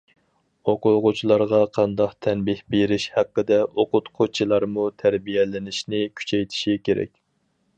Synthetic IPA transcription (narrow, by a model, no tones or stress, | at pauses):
oqʊʁʊt͡ʃʰilˠɑɾʁɑqʰɑnd̪ɑqt̪ʰɛnbɪhbeɾɪʃhæqːəd̪ɛʔoqʊt̪qʰot͡ʃʰilˠɑɾmut̪ʰæɾbijɛlɪnɪʃnɪkʲʰy̥t͡ʃʰɛjt̪ʰɪ̥ʃikʲʰeɾɛ̰kʲ